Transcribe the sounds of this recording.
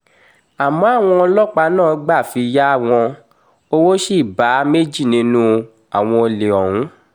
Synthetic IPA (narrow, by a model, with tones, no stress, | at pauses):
a˨mɔ̃˨˦a˦˨w̃ɔ̃˧ɔ˧lɔ˦k͡pa˧˦nãː˦˨˦ɡ͡ba˦˨fi˧ja˦a˦˨w̃ɔ̃˧ | o˦wo˦ʃi˦˨ba˨˦me˦d͡ʒi˦˨nĩ˧˦nũ˦˧ | a˨w̃ɔ̃˧o˧le˨ɔ˨ɾũ˨˦